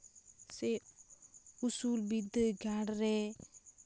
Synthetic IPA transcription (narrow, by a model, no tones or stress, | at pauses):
sɛ | usulbid̪əɡaɽɾɛ